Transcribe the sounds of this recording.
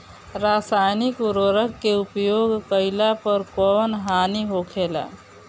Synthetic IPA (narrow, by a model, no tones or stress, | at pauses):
ɾaːsaːjnɪkuɾoɾəkːeʊpjoːɡkəɪlapəɾkɔːnɦaːniɦokʰeːla̰